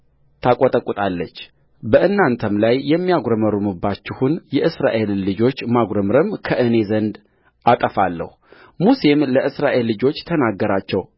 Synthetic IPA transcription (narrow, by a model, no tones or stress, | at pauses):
t̪ʰakʼot̪ʼəkʼut̪ʼalːət͡ʃː | bəʔɨnːant̪ʰəmlajːɛmːijaɡɾəməɾumɨbːat͡ʃːɪhunjɛʔɨsɾaʔe̞lːɨd͡ʒo̞t͡ʃːmaɡɾəmɾəmkʰəʔɨne̞zənd̪ | ʔat̪ʼəfalːə̰hu | muse̞mləʔɨsɾaʔe̞lːɨd͡ʒo̞t͡ʃːt̪ʰənaɡːəɾat͡ʃːɛw